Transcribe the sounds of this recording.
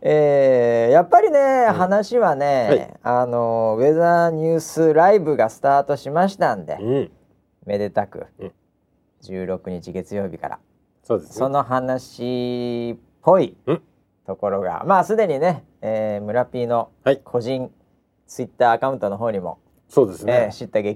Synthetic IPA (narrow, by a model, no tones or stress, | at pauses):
eːjapːaɾʲine̞ɦanaɕiβane̞ano̞βe̞zaɲ̟ɨːsɨɾaibɯ̟ɡasɨ̥t̪aːt̪o̞ɕimaɕi̥t̪ãnd̪e̞̰ | me̞d̪e̞t̪akɯ̟̰ | d͡ʑɨːɾo̞kɯ̟ɲ̟it͡ɕiɡe̞t͡sɨjo̞ːbʲika̰ɾa̰ | soːd̪eso̞no̞ɦanaɕi | pʰːo̞i | t̪o̞ko̞ɾo̞ɡa̰maːsɨd̪e̞ɲ̟ine̞ | eːmɯ̟ɾapʲiːno̞ | kʰo̞ʑĩn | t͡sɨit̪ːaːkaɯ̟̃nt̪o̞no̞ɦo̞ːɲ̟imo̞̰ | soːd̪eseɕit̪ːaɡe̞